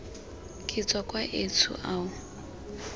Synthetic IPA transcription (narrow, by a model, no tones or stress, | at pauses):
kʼɪt͡sʼwakʼwaʔet͡sʰʊ̰ʔaːʊ